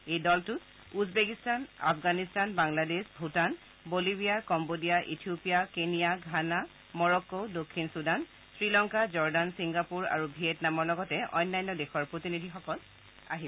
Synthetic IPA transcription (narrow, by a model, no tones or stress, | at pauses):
ejdɔltʊt | uzbekistana̰pʰɡanistanbaŋladesbʱutan | bolibijakɔmbodijaʔḭtʰiopijakenijaɡʱana | mɔɹɔkːodokʰːinsudan | sɹilɔŋkazɔɹdansiŋɡapuɹa̰ɹubʱietnamɔɹlɔɡɔtɛʔɔ̰jnːajnːɔdexʰɔɹpɹotinidʱixɔkɔl | a̰ɦi